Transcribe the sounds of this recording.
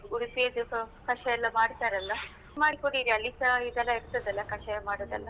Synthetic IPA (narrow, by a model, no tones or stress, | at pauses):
uɽupijɐd̪ukɐʂɐjɛlːɐmaːɽt̪aːɾɐlːɐ | maːɽikoɽiːɾiɐlːisɐid̪ɛlːɐiɾt̪ɐd̪ɛlːɐkɐʂɐjɐmaːɽoːd̪ɐ̰lːɐ